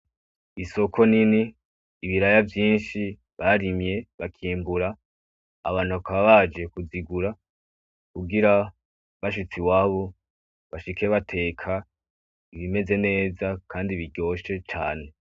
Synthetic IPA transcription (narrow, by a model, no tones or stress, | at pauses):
iso̞kʰo̞niniː | βiɾajavjiːnʃi | βaɾimje̞βakʰiːmbuɾa̰ː | βaːn̥ukaβaβad͡ʒe̞kuziɡuɾa | kuɡiɾa | βaʃ̬ut͡siwaːβo̞ | βaʃikʰeβatʰe̞ːkʰa | iβime̞ze̞ne̞ːzakʰaːndiβiɟo̞ːʃe̞t͡ʃaːne̞